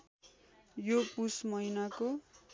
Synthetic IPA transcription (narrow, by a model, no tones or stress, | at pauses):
jopusmʌjnako